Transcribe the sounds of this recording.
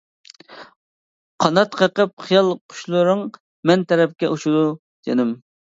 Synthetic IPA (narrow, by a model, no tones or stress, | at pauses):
qʰɑnɑt̪qʰəqəp̚χijɑlˠqʰʊ̥ʃlˠɨɾɨŋ | mɛnt̪ʰɛɾɛp̚kʲɛʔuʃud̪u | d̪̥enɪm